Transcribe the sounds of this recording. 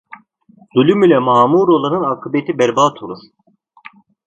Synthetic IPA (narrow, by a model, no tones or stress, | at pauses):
zulʲymylʲɛmaːmuːɾolˠanɯnakʰɯbet̪ʰibɛɾbaːt̪ʰolˠasɯ̥